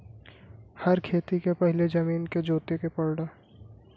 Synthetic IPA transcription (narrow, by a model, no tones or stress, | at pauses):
hɐɾkʰeːt̪ikepɛɦɪled͡ʒɐmiːnked͡ʒoːt̪ekepɐɽɖa